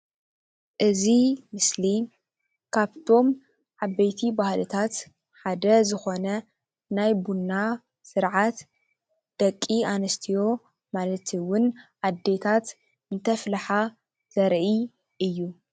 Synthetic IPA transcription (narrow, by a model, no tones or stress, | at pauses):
ʔɨzimɨsli | kʰaβt̪ʰo̞m | ʕaβejt̪ʰibahlɨt̪ʰat̪ | ħad̪ɐzɨxo̞nɐ | najbunːa | sɨɾʕat̪ | d̪̥ɐkʼːianɐst̪ʰijo̞ | malɐt̪ʰwʊnʔad̪ːe̞t̪ʰat̪ | ɨnt̪ʰɐflħa | z̥ɐɾʔi | ʔɨjːu